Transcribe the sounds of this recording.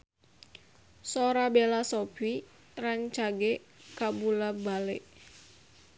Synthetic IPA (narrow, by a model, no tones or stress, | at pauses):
soɾabelasob̥i | rɛŋt͡ʃaɡe | kabulabaleʔ